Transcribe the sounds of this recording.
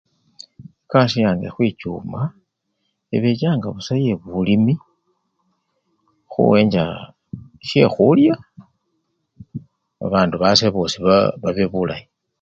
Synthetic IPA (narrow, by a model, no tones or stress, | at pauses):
ekaʃijaːŋɡexwit͡ʃuːma | eβet͡ʃaːŋɡaβusaje̞βulimi | xṵweːɲd͡ʒa̰ | ʃexulja | a̰βaːnduβaseβosiβaβaβeβula̰ji